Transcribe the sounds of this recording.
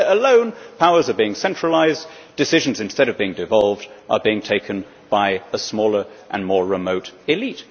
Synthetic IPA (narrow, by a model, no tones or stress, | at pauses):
əlõʊ̃npʰaʊə˞zə˞biɪ̃ŋsɛ̃nt͡ʃɹ̥əlaɪz | d̥ɨsɪʒɨ̃n̩zɨ̃nstɛɾʌvbiɪ̃ŋdɨvɑlˠvdʔə̰biɪ̃ŋtʰeɪkʰɨ̃n | b̥aɪəsmɔlˠə˞ʔə̰̃nmɔɹɹɪmoʊɾɪlit